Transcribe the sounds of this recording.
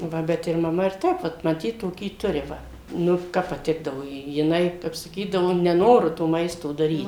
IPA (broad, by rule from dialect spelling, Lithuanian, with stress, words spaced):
ˈʋɐ ˈbʲɛt ɪr mɐˈmɐ ɪr ˈtʲɛp ʋɐt mɐˈtʲiːt toːˈkʲiː ˈtʊrʲɪ ˈʋɐ ˈnʊ ˈkɐp pɐˈtʲɪɡdɐʋoː ˈjɪ jɪˈnɐɪ ˈkɐp sɐˈkʲiːdɐʋoː nʲɛˈnoːrʊ toː ˈmɐɪstoː dɐˈrʲiːt